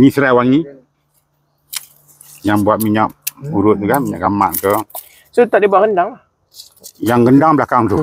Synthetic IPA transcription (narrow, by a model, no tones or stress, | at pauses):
ɲisəɾawaŋi | jaŋbuat̪̚miɲakbuɾʊt̪̚t̪uɡamiɲaʔɡama̰ʔkə | sot̪aʔdibuaʔɡəndaŋ | jaŋɡəndaŋbəlakaŋt̪u